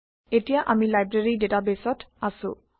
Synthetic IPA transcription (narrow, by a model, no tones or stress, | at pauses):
etijaʔamilajbɹeɹidetabesɔtasʊ̰̃